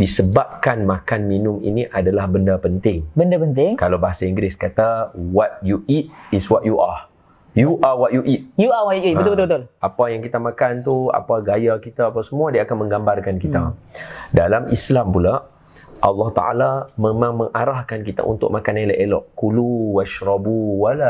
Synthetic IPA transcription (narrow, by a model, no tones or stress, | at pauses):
disəbap̚kanmakanminʊmḭniʔadalahbəndapənt̪ɪŋbəndapənt̪ɪŋkalawbaɦasaiŋɡɾɪskat̪awat̪̚juʔit̪̚iswaʔ̪juʔa | juʔawaʔ̪̚juʔit̪̚juawauuibət̪ubət̪ubət̪ʊlʔapajaŋkit̪amãkant̪ua̰paɡajakit̪aːpasəmũadiaːkanmə̃ŋɡambarkankit̪adalamislampula | ʔɑlːɑht̪a̰ʔa̰lamemãŋmə̃ŋʔaɾahkankit̪a̰ʔṵnt̪ʊ̰k̚makanalaʔelɔʔkuluwaʃɾɔbuwala